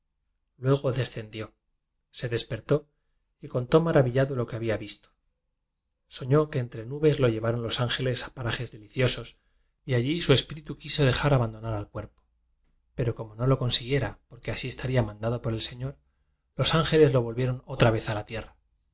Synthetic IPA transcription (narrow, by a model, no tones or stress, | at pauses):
lwe̞ɣ̞o̞ðe̞sθe̞nd̪jo̞ | se̞ðe̞spe̞ɾt̪o̞ | iko̞nt̪o̞maɾaβiʎaðolo̞keaβiaβist̪o | so̞ɲo̞ke̞ːnt̪ɾe̞nuβe̞zlo̞ʝe̞βaɾo̞nlo̞saŋxe̞le̞sḁpaɾaxe̞zðe̞liθjo̞so̞s | iaʎisue̞spiɾit̪ukiso̞ð̞e̞xaɾaβand̪o̞naɾalkwe̞ɾpo̥ | pe̞ɾo̞ko̞mo̞no̞lo̞ko̞nsiɣje̞ɾapo̞ɾke̞asie̞st̪aɾiamãnd̪aðo̞po̞ɾe̞lse̞ɲo̞ɾ | lo̞saŋxe̞le̞zlo̞β̞o̞lβje̞ɾo̞no̞t̪ɾaβ̞e̞θalat̪je̞ra